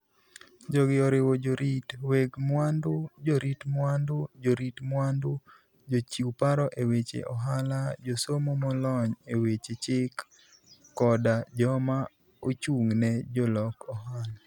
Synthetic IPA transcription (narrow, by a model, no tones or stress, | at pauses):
d͡ʒɔɡɪɔɾɪwod͡ʒoɾitweɡmwandud͡ʒoɾitmwandʊd͡ʒoɾitmwandu | d͡ʒot͡ʃiupaɾɔʔewet͡ʃḛʔɔɦalad͡ʒosomomɔlɔɲewet͡ʃet͡ʃɪkː | ɔdad͡ʒɔma | ot͡ʃuŋnɛd͡ʒɔlɔkɔɦala